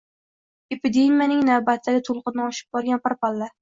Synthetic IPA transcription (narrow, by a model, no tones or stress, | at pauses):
epɪd̪e̞mijanɪŋnavbat̪ʰːaɡʲɪt̪ʰʊlˠqɨnɪɒʃɪ̥b̚bɒɾɡʲanpaɾpalːa